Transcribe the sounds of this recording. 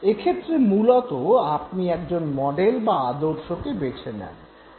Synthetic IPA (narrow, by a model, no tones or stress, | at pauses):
ekʰet̪ːɾemulot̪oap̚niɛkd͡ʑonmɔɖelbaad̪oɾʃokebet͡ɕʰenɛ̰n